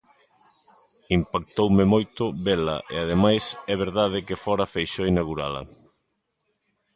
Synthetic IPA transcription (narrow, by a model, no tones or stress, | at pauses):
impak̚t̪owmɪmojt̪ʊβelɐ̰ʔḛað̞emajsɛβ̞eɾðaðɪkɪfɔɾɐfejʃoinaɣuɾalɐ̰